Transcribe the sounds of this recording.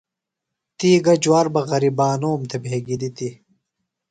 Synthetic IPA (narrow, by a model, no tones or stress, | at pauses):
t̪iːɡɐd͡ʑwaːɾbɐɣɐɾibaːnoːmt̪ʰebʱeːɡid̪it̪i